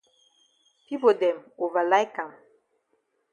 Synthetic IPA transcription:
pi˦bo˨dɛ˨mo˨va˨la˦jka˨m

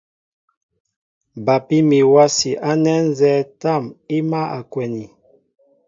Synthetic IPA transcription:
ba˨pi˦mi˨wa˦si˨ʔa˦nɛ˦n̩˦zɛ˦ta˦˨mi˦ma˦ʔa˨kwɛ˨ni˨

